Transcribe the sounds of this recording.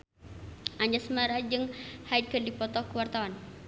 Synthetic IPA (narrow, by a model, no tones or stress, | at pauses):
ʔaɲd͡ʒasmaɾad͡ʒɨŋhaikəndipɔt̪ɔkəwart̪awan